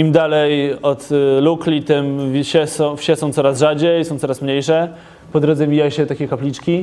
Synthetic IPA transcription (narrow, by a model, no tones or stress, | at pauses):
imd̪alɛjɔt̪luklʲit̪ɛmvʲɕɛsɔ̃fɕɛsɔ̃w̪̃sɔɾasʐad͡ʑɛjsɔ̃w̪̃sɔɾasmɲejʂɛ | pɔd̪ɾɔd̪zɛvʲijaɕɛt̪akʲɛkaplʲit͡ʂkʲi